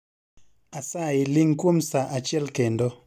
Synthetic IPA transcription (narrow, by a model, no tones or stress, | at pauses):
asaɪlɪŋkwomsaʔat͡ʃjɛlkendo